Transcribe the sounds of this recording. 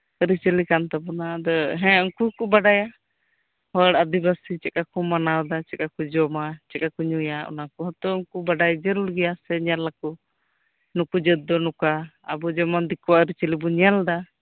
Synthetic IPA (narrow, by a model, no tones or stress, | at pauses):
ɾit͡ʃəlikant̪abɔnad̪ɔɦɛ̃uŋkukubaɖaja | hɔɽad̪ibasit͡ʃɛkakɔmanawd̪at͡ʃɛkakud͡ʒɔmat͡ʃɛkakuɲujaʔɔ̰nakɔɦɔt̪ɔuŋkubaɖajd͡ʒəɾulɡɛjasɛɲalːakɔ | nukud͡ʒəɔnukaːbɔd͡ʒɔmand̪ikɔwaʔɾit͡ʃəlibɔɲɛld̪a